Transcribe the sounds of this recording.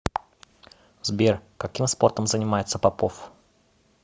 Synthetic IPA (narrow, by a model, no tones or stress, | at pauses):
zbʲerkɐkʲimspo̞rt̪əmzənʲɪmajɪt̪səpɐpof